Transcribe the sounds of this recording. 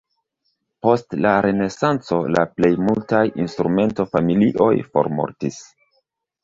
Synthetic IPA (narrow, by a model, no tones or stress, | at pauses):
po̞stlaɾe̞ne̞sant͡so̞la̰ple̞jmultajinstɾume̞nto̞familiʔo̞jfo̞̰ɾmo̞̰ɾtis